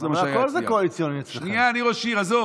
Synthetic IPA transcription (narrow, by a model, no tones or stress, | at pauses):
zemaakolzekoalit͡sjonit͡sʃniaːniʁoʃiʁazo